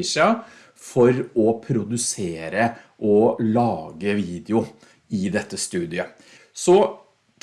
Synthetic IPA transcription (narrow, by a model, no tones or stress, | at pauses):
ʂɑ | fɔɾɔpʰɾʊd̪ʉseːɾəʔɔlɑːɡəʋiːd̪ɪʊ | ɪd̪ɛt̪ːəst̪ʉːd̪ɪə | sɔ